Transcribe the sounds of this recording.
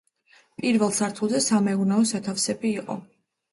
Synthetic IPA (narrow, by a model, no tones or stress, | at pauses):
pʼiɾvɛlˠsaɾt̪ʰulˠzɛsamɛunaɔsat̪ʰafsɛbiːqʼɔ̰